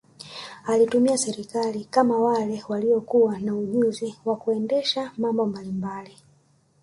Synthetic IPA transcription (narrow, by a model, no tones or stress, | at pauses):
alitumiasɛɾikalikamawalɛwaliɔkuwanauʄuziwakuɛndɛʃamambɔmbalimbali